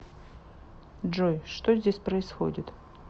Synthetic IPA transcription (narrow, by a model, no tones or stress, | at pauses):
ʐojʂt̪ozʲdʲesʲpɾəɪsxo̰dʲɪt̪